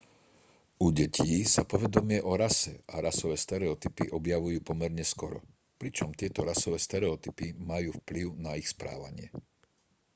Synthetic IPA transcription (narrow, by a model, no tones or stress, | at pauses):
uɟɛcʰiːsapɔʋɛd̪ɔmɪɛʔɔɾasɛaɾasɔʋɛːst̪ɛɾɛɔt̪ipiʔɔbjaʋujuːpɔmɛɾɲɛskɔɾɔ̰ | pɾit͡ʃɔmt̪ɪɛt̪ɔɾasɔʋɛːst̪ɛɾɛɔt̪ipimajuːfpliʊnaixspɾa̰ːʋa̰ɲɪɛ